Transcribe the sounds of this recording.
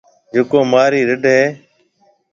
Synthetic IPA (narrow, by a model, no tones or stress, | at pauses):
d͡ʒʊkoːmaːɾiːɾəɖɦeː